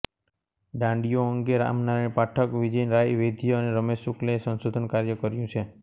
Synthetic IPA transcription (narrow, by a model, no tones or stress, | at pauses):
ɖãɳɖijoəŋɡeɾa̰mnaɾaɳ̃paʈʰəkʋid͡ʒəinɾajʋed̪ʱijəneɾəmeʃuklesənsod̪ʱənkaɾjəkəɾjũt͡ʃʰe